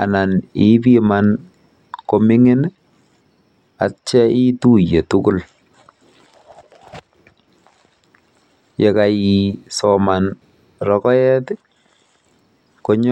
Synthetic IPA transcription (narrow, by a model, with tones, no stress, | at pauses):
a˨na˨ni˦bi˦man | ko˦mɪ˦ŋɪ˦n | a̰˨t͡ʃɛ˦ʔi˦tu˦je˨tu˦ɡu˦l | jɛ˨ka˨ji˨sɔ˨ma˨n | rɔ˨kɔ˦jɛ˦t | ko˦ɲ